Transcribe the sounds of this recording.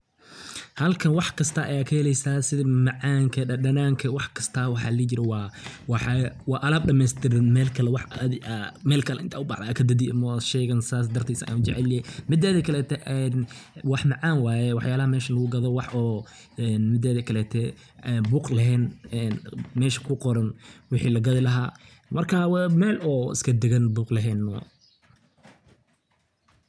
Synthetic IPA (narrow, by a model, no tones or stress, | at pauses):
hɐlkʰɐnwɑħkʰɐst̪ʰɐʔɐ̰jaːkʰɐhɛlɛjsaːsɪðɐmɑʕɑːŋkʰɐɐɖɐnaːŋkʰɐwɑħkʰɐ̥st̪ʰɐwɑħɑ̰ːlɐɣd͡ʒɪɾɛwɑːwɑħwɑːʔɐlaːb̚ɖɐmɛːst̪ʰɪɾɪnmɛːlkʰɐlɛwɑħɐd̪amɛːlkʰɐlɛʔɪnt̪ʰaːʊbɑ̰ħðaːkʰɐd̪ɐd̪ɪɐmɐʃɛːɣɐnsaːsd̪ɐrt̪ʰisɐ̰ja̰nd͡ʒɛ̰ʕɛlɪɛmɪd̪ɛːðɛkʰɐlɛːt̪ʰɛʔɛnwɑħmɑʕɑːnwaːjɛwɑħjaːlɐɦɐmɛːʃɐlɐɣʊɡɐðɔwɑħɔː | ɛnmɪd̪ɛːðɛkʰɐlɛːt̪ʰɛ | ɛbuːqlɐɦɛːnɛnmɛːʃɐ̥kʰʊqɔɾɐnwɪħiːlɐɡɐðɪlɐɦaː | mɐrkʰaːwmɛːlɔːɪ̰skʰɐd̪ɛɣɐnbuːqlɐɦɛːnːɔ